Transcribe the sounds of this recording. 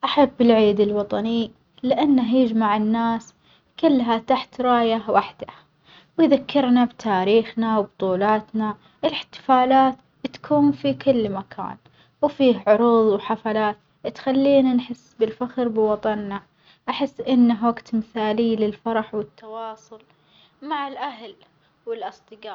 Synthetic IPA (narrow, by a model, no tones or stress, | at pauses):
ʔaħabːɪlʕiːd̪ɪlwɑt̪ˤɑni | lɪʔanːaɦjɪd͡ʒmaʕɪnːaːs | kʊlːɦat̪aħt̪ɾˤɑːjawaħd̪̥a | wjðakːɪɾnabt̪ʰaːɾiːxnawbt̪ˤuːlɑːt̪na | ʔɪlɪħt̪ɪ̥faːlaːt̪ | b̥ɪt̪ḁkʰuːnfikʰʊlːmakʰa̰ːn | wfiːhʕʊɾuːðˤwħafalaːt̪ | t̪xalːiːnanħɪsːbɪlfaxɾbɪwɑt̪ˤɑnːa | ʔaħɪsːʔɪnːaɦwaɡt̪mɪθaːliːlɪlfɑɾˤɑħwɪt̪ːɑwɑːsˤʊl | maʕɪlʔahl | wɪlʔɨsˤt̪ˤɨɡɑː